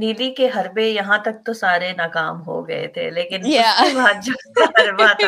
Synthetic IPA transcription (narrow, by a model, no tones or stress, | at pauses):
niːlikeɦɐɾbejɐɦãt̪ɐk̚t̪osaːɾenaːkaːmɦo̰ɡɐ̰ḛt̪ʰḛːleːkɪnbaːd͡ʒot̪ɐɾbat̪ʰa